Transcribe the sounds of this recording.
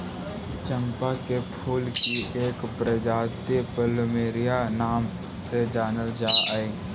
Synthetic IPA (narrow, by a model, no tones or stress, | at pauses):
t͡ʃə̃mpakepʰuːlkieːkpɾəd͡ʒaːt̪ipəlmeːɾɪjanaːm | sed͡ʒaːnəld͡ʒaːe